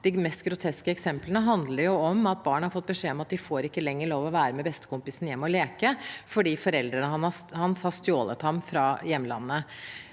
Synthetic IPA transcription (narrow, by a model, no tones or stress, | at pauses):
d̪̥ɪmɛst̪ɡɾʊt̪ʰɛskəɛksɛmplənəɦɑnd̪ləɾjʊɔmɑt̪̚bɑːɳəhɑɾfɔt̪̚ːbəʂeːɔmɑt̪̚d̪ɪfoːɾɪkːəlɛŋːəɭoːʋɔʋæːɾəmɛbɛst̪ə̥kʊmpɪsn̩jɛmːɔleːkəfɔɖiːfɔɾɛld̪ɾənəhɑnɑhɑnshɑst̪joːlə̰t̪hɑmfɾɑjɛmːlɑ̰nːə